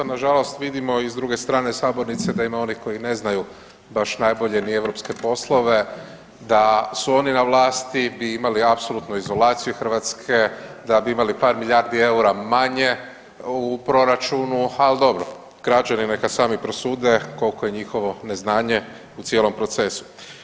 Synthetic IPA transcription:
naʒalo̞st̪ʋid̪imo̞izd̪ɾuɡe̞st̪ɾaːne̞saːbo̞ɾnit̪se̞d̪aimao̞nihko̞jine̞znaju | baʃnajbo̞ʎe̞nie̞ʋɾo̞pske̞po̞slˠo̞ʋe̞ | d̪asuo̞ninaʋlaːst̪ibiimaliapso̞lut̪nuizo̞laːt̪sijuxr̩ʋat̪skʰe̞d̪abiimalipaːɾmiʎjaːɾd̪ie̞uɾamaɲe̞ | upɾo̞ɾat͡ʃunuald̪o̞bɾo̰ | ɡ̥ɾat͡ɕaninekasaːmipɾosuːd̪e̞ko̞lˠko̞je̞ɲixo̞ʋo̞ne̞znaːɲe̞ | ut̪jelˠo̞mpɾo̞t̪se̞su̥

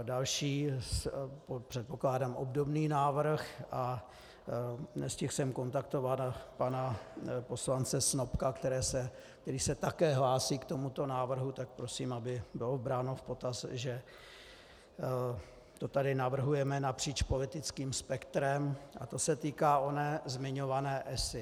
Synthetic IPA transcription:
dalʃiː | popr̝̥ɛt̪̚po̞klaːdamobdo̞bniːnaːvr̩xʔa | nɛscɪxsɛmko̞nt̪akt̪o̞vat̪panapo̞slant͡sɛsnopkakt̪ɛɾɛːsɛ | kt̪ɛɾiːsɛt̪akɛːɦlaːsiːkt̪o̞mut̪o̞naːvr̩ɦut̪ak̚pɾo̞siːmabɪbɪlovbɾaːnofpo̞t̪asʒɛ | t̪o̞t̪adɪnavr̩ɦujɛmɛnapr̥iːt͡ʃpo̞lɪt̪ɪt͡skiːmspɛkt̪ɾɛmʔa̰t̪o̞sɛt̪iːkaːʔo̞nɛːzmɪɲo̞vanɛːʔɛsɪ

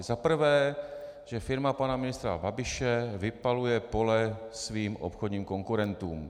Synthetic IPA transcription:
zapr̩vɛː | ʒ̥ɛfɪɾmapanamɪnɪst̪ɾa̰babɪʃɛvɪpalujɛpo̞lɛ | sviːmʔo̰pxodɲiːmko̞ŋkuɾɛnt̪ṵːm

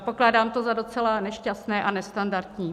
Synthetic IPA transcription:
po̞klaːdaːmt̪o̞zado̞t͡sɛlanɛʃcast̪nɛːʔanɛst̪andaɾt̪ɲiː

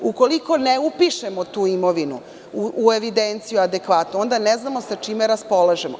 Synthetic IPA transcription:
uko̞liko̞neupiʃemot̪uːimoʋinu | uueʋid̪ent̪sijuad̪ekʋat̪noo̞nd̪aneznamo̞sat͡ʃimeɾaspo̞laʒemo

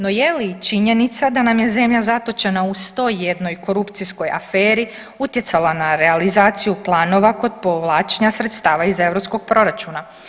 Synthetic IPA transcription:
no̞jelit͡ʃiɲe̞nit̪sad̪anamje̞ze̞mʎazat̪o̞t͡ʃe̞naust̪o̞jːed̪no̞jko̞ɾupt̪sisko̞ja̰feːɾi | ut̪je̞t̪salanaɾe̞alizaːt̪sijuplˠaːno̞ʋako̞d̪̚po̞ʋlˠaːt͡ʃe̞ɲasɾe̞t̪st̪aːʋaize̞ʋɾo̞psko̞ɡ̚pɾo̞ɾat͡ʃuna

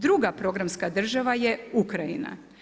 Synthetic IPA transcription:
d̪ɾuɡapɾo̞ɡɾamskad̪r̩ʒaʋajeukɾajḭna̰

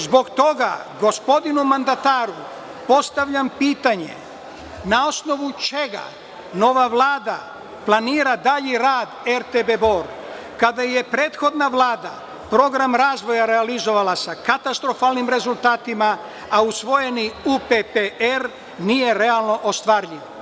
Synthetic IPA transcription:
zbo̞ɡt̪o̞ɡa̰ɡo̞spo̞d̪inumand̪at̪aːɾu | po̞st̪aʋʎampiːt̪aɲe̞̰ | nao̞sno̞ʋut͡ʃeɡa̰ | no̞ʋaʋlˠaːd̪a | plˠaniːɾad̪aʎiɾaːd̪eɾt̪ebebo̞ɾ | kad̪aje̞pɾe̞ːt̪xo̞d̪naʋlˠaːd̪a̰ | pɾo̞ɡɾamɾaːzʋo̞jaɾealizo̞ʋalasakat̪ast̪ɾo̞faːlˠnimɾe̞zulˠt̪aːt̪ima | ausʋo̞je̞niupepeeɾ | nije̞ɾe̞alˠno̞ʔost̪ʋaɾʎiʋ

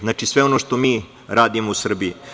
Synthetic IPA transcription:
znaːt͡ʃisʋe̞o̞noʂt̪o̞miː | ɾaːd̪imousr̩bii

